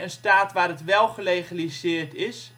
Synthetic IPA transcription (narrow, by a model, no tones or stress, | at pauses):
ənstaːtʋaːrətʋɛlˠχəlejχalisɪːrtʰɪs